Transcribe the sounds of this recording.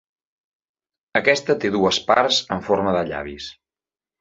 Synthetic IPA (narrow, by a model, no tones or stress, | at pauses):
əkɛst̪ət̪eðuəsparzəɱforməðəʎa̰βis